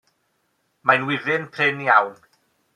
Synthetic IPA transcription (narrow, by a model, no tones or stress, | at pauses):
majnwɪðɪnpʰrɪniawn